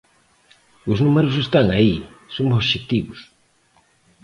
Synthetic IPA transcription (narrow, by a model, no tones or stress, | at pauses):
usnumeɾusest̪aŋai | sompoʃek̚t̪iβus